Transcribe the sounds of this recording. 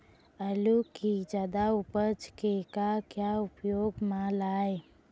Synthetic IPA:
əlukid͡ʒaːd̪aʊpət͡ʃkekakjaʊpjoːɡmãlaːe

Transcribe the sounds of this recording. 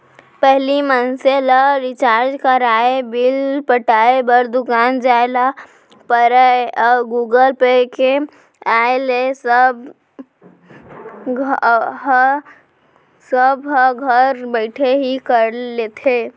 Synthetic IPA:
pɛɦlimənselaɾɪt͡ʃaːɾd͡ʒkəɾaːebɪlpəʈaːebəɾd̪ʊkaːnd͡ʒaːla | pəɾaeɔːɡuːɡəlpeke | aːelesəb | ɦ | səbɦəɡʱəɾbəɪʈʰeɦikəɾleːt̪ʰeː

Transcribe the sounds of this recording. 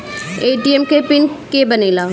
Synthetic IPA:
eːʈiɛmkepɪnkebɐneːlaː

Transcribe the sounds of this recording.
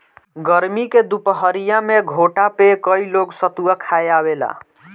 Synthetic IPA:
ɡəɾmiked̪upəɦəɾijameɡʱoʈapekəiloɡsət̪uwakʰajabela̰

